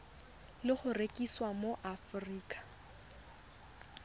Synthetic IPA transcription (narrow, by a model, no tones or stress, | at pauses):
lɪχʊrekʼiswamoʔafʊriːkʼḁ